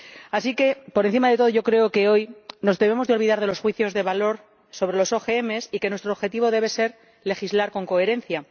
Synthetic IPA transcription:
asike̞poɾenθimaðe̞t̪o̞ðoʝokɾe̞oke̞o̞jno̞zðeβe̞mo̞zðeo̞lβiðaɾðe̞lo̞sxwiθjo̞zðe̞βalo̞ɾ | so̞βɾe̞lo̞so̞xeeme̞sike̞nwest̪ɾoβxe̞t̪iβo̞ðe̞β̞e̞se̞ɾ | le̞xizlaɾko̞ŋko̞e̞ɾe̞n̟θja

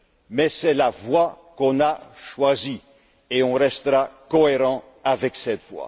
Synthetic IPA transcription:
mɛsɛlavwa | kɔ̃naʃwazi | eɔ̃ʁɛst̪əʁakɔeʁɑ̃ | avɛksɛt̪vwa̰

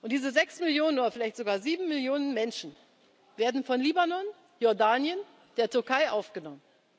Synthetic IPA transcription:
ʔʊntd̥iːzəzɛksmɪljoːnənʔoːdɐfɪlaɪçtz̥oɡaːɐziːbm̩mɪljoːnənmɛnʃn̩ | veːɐdn̩fɔnliːbanɔn | jɔɐdaːnjən | d̥eːɐtʰʏɐkʰaɪʔaʊfɡ̥ənɔmən

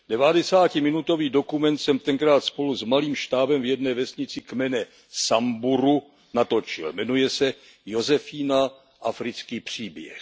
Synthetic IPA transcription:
dɛvadɛsaːcɪmɪnut̪o̞viːdo̞kumɛnt̪sɛmt̪ɛŋkɾaːt̪spo̞luzmaliːmʃt̪aːbɛmvjɛdnɛːvɛsɲɪt͡sɪkmɛnɛ | sambuɾu | nat̪o̞t͡ʃɪ̰lmɛnujɛsɛ | jo̞zɛfiːna | ʔafɾɪt͡skiːpr̝̥iːbjɛ̰x

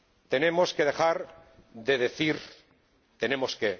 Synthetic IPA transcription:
t̪e̞ne̞mo̞ske̞ð̞e̞xaɾ | ðe̞ðe̞θiɾ | t̪e̞ne̞mo̞ske

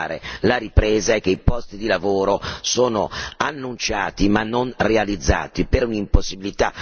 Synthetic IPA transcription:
ɾḛlaɾipɾɛːzaɛk̟ːeipɔst̪id̪ilavoːɾosoːno̰anːunt͡ʃaːt̪imanːonrealid̪zːa̰ːt̪ipeɾunimposːibilit̪a̰

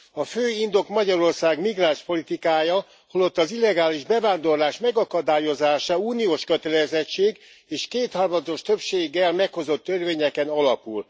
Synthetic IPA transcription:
ɒføːind̪o̞kmɒɟɒɾo̞rsaːɡmiɡraːnʃpo̞lit̪ikaːjɒ | holo̞t̪ːɒzilːɛɡaːliʒbɛvaːnd̪o̞rlaːʃmɛɡɒkɒd̪aːjo̞zaːʃɒuːnioːʃkøt̪ɛlɛzɛt͡ʃːeːɡ | eːʃkeːt̪hɒrmɒd̪o̞ʃt̪ø̞pʃeːɡːɛlmɛkho̞zo̞t̪ːørveːɲɛkɛnɒlɒpul

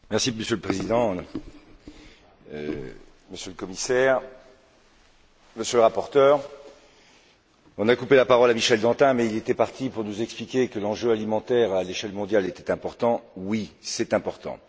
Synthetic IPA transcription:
mɛʁsiməsjøləpχezid̪ɑ̃ | ø | məsjøləkɔmisɛːʁ | məsjøləʁapɔʁt̪œːʁ | ɔ̃nakupelapaʁɔlamiʃɛld̪ɑ̃t̪ɛ̃mɛilet̪ɛpaʁt̪ipuʁnuzɛksplikʲekəlɑ̃ʒøalimɑ̃t̪ɛʁaleʃɛlmɔ̃d̪jalet̪ɛt̪ɛ̃pɔʁt̪ɑ̃wisɛt̪ɛ̃pɔʁt̪ɑ̰̃

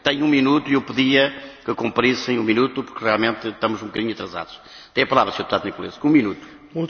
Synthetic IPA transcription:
t̪ɐ̃ɲũminut̪uiewpɨðiɐkɨkõmpɾisɐ̃j̃ũminut̪upuɾkʁialˠmẽnt̪t̪ɐmuzũb̚ɨkɐðiɲuɐt̪ɾɐza̰ðuʃ | ɐt̪ɛ̃ɐpɐlˠavɾɐsɲoɾðput̪aðunikulˠḛzkõũminut̪u̥ | ũ

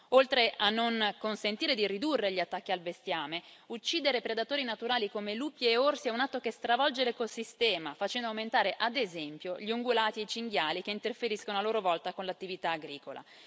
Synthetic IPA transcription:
olt̪ɾeʔanːoŋkonsent̪iːɾed̪irid̪urːeʎiat̪ːakːialbest̪jaːmeut͡ʃːiːd̪eɾepɾed̪at̪oːɾinat̪uɾaːlikomeluːpjːorsiɛunat̪ːokest̪ɾavɔld͡ʒelekosist̪ɛːmafat͡ʃɛnd̪oawment̪aːɾeʔad̪ezɛmpjoʎioŋɡulaːt̪iet͡ʃiŋɡjaːlik̟eint̪erfeɾiskonoaloːɾovɔlt̪akonlat̪ːivit̪aːɡɾiːkola̰

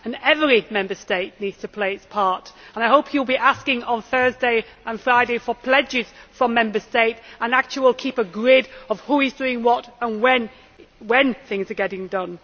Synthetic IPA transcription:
ɨ̃nɛvɹimɛ̃mbə˞steɪtⁿnidz̥tʰəpʰl̥eɪɨtspʰɑɹtə̃naɪɦoʊpʰjulˠbiʔaskɪ̃ŋə̃nθɜ˞zdeɪ | ʔə̃nfɹaɪɾeɪfə˞pʰl̥ɛd͡ʒɪz̥fɹʌ̃mɛ̃mbə˞steɪtə̃nak̚t͡ʃəl̩ˠiwɪlˠkʰipəɡɹɪɾʌv̥huizdʉɪ̃ŋwʌɾə̃nwɛ̃n | wɛ̃nθɪ̃ŋzə˞ɡɛɾɪ̃ŋdʌ̃n

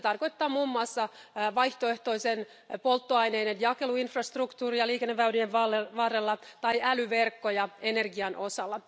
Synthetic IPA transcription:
t̪ɑrko̞it̪ːɑːmuːmːuɑsːɑʋɑjht̪oe̞ht̪o̞isen | po̞lt̪ːoɑjne̞jdenjɑke̞luinfrɑst̪rukt̪uːrijɑliːkenːeːæynieɑʋɑːrelːɑt̪ɑjælyʋe̞rkːojɑene̞rɡiɑnʔo̞sɑlːɑ

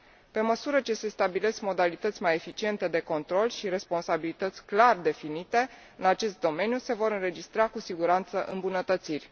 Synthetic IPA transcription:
pe̞məsuɾət͡ʃe̞se̞st̪abile̞skmo̞d̪alit̪ət̪sʲmaje̞fit͡ʃie̞nt̪e̞d̪e̞ko̞nt̪ɾo̞lʃiɾe̞spo̞nsabilit̪ət̪sʲklard̪e̞finit̪e̞ | ɨnat͡ʃe̞st̪̚d̪o̞me̞njuse̞vo̞ɾɨnɾe̞d͡ʒist̪ɾakusiɡuɾant̪səʔɨ̰mbunət̪ət̪sirʲ

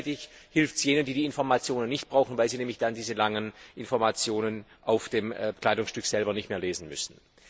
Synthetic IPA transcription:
tɪçhɪlftsjeːnəndiːdiːɪnfɔɐmat͡sjoːnənːɪçt̚b̥ʁaʊxn̩vaɪlziːnɛːmlɪçd̥andiːzəlaŋənʔɪnfɔɐmat͡sjoːnənʔaʊfd̥eːmkl̥aɪdʊŋsʃtʏkz̥ɛlbɐnɪçtmeːɐleːzn̩mʏ̰sn̩

